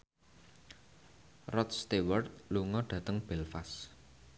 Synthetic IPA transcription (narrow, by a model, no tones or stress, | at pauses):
rɔt̪̚st̪ewərt̪̚luŋɔɖ̥ä̤t̪əŋb̥ɛlfas